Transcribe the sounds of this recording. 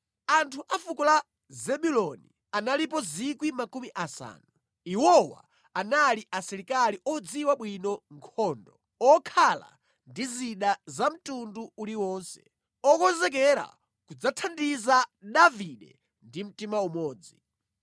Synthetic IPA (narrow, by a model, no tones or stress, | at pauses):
antʰuʔafukula | zɛɓulɔnḭ | analipɔzikwimakumiʔasa̰ːnu | iwɔwa̰ | analiʔasiɾikaliʔɔd͡ziwaɓwinɔŋkʰɔndɔ | ɔkʰala̰ | ndiziɗazam̩tunduuliwɔnsɛ̥̰ | ɔkɔzɛk̬ɛɾa̰ | kud͡zatʰandizaɗaviɗɛ̰ | ndim̩timaumɔːd͡zi